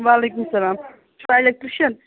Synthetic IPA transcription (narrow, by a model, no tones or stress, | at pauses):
ʋaːleːk̬umsɐlaːm | t͡ʃʰuajlek̚t̪ɾiʃɐn